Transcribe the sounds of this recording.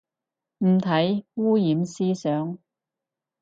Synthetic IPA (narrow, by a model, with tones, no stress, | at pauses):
m̩˨˩t̪ʰɐ˨˥jwuː˥jiː˨˥msiː˥sœː˨˥ŋ